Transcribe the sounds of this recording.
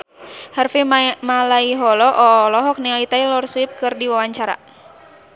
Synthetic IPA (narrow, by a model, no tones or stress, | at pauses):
harfimalaiɦɔlɔʔɔlɔɦɔk̚nialit̪ailɔrswip̚kɨrdiwawaɲt͡ʃaɾa̰